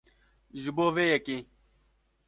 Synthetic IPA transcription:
ʒuboːʋeːjekĩː

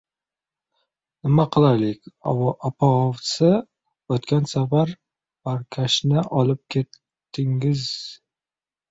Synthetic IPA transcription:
nɪmaqʰɨlˠaɾlɪkʲʔɒpʰaɒvsɪ | ɵt̪kʲansafaɾ | b̥aɾkʲʰaʃnɪʔɒlˠɪp̚kʲʰet̪ː | ɪŋɪz

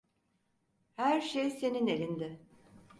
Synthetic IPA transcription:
hæɾʃejse̞ninelʲind̪ɪ

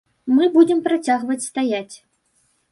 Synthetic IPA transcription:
mɨbud͡zʲɛmpɾat͡sʲaɣvɐt͡sʲst̪ajat͡sʲ

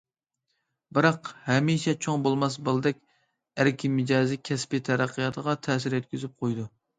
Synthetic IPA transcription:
bɪɾɑqhɛmiʃɛt͡ʃʰoŋbolˠmɑs̬bɨlˠɨd̪ɛkʲ | æɾkʲʰimɪd͡ʒɑːzɪkʲʰɛspit̪ʰɛɾæqʰːɨjɑt̪ʰəʁɑt̪ʰɛːs̬ɪɾjɛt̪̚kʲyzyp̚qʰojd̪u

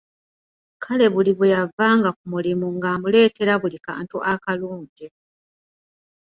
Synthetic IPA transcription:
kʰale̞βuliβujavːaːŋɡak̚umulimuŋɡaːmule̞ːte̞ɾaβulika̰ːntuʔakaluːɲɟe

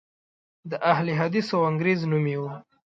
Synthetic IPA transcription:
d̪əʔahliɦad̪isawaŋɡɾeznumiwa

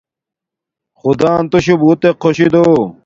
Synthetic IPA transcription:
xud̪aːnt̪oɕubuːt̪eqʰːoɕid̪o

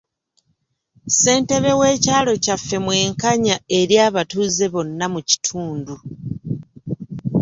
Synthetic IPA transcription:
se̞ːnte̞βe̞we̞ːcaːlo̞cafːe̞mwe̞ːŋkaɲae̞ɾjaːβatuːze̞βo̞nːamuci̥tʰuːndu

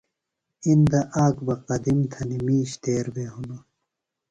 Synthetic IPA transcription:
ind̪ɐʔaːkbɐqɐd̪imt̪ʰɐnimiːɕt̪eːɾbeɦunu

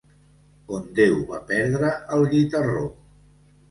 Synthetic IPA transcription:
ond̪ewβa̰pɛɾðɾəəlˠʎit̪əro

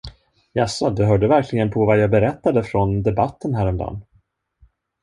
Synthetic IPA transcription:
jasɔd̪ɛɦœːɖəvæɾklɪɡənpʰɔvajɑːɡbɛɾɛt̪ːad̪əfɾɔnd̪ɛbat̪ːənɦæːɾɛmd̪ɑ̰nː

